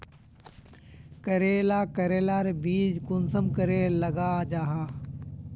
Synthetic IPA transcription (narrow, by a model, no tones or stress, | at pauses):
kəɾeːlaːkəɾeːlaːɾebiːd͡ʒkʊnsəmkəɾeːləɡaːd͡ʒaːɦaː